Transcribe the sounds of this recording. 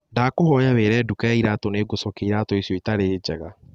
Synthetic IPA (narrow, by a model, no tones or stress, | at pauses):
ndaːkohɔjaβeːɾɛːdukaaiɾaːtɔneːɡosɔkeiɾatɔisjɔitaɾeːd͡ʒɛɣa